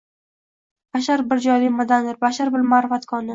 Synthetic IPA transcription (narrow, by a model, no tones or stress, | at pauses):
b̥aʃ̬aɾbɪɾd͡ʒɒjlɪmad̪anɪɾbaʃaɾbɪɾmaɾɪfat̪kʰɒnɪ